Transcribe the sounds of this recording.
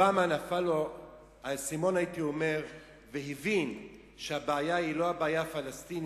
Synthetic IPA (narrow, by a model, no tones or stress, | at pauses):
amanafalo | asimo̞naitio̞me̞ʁ | veɦivin | ʃeabaːjailo̞abaːjafalast̪in